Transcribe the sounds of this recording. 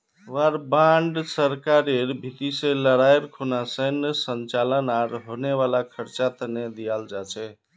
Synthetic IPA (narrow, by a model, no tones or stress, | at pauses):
ʋaɾbaɳɖsəɾkaɾeɾbʱit̪isẽləɽajɾkʰunasənsənt͡ʃalənaɾɦoneβalakʰəɾt͡ʃat̪əned̪ijald͡ʒat͡ʃʰɛ